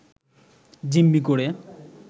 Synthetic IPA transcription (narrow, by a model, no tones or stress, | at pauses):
d͡ʑimːikoɽe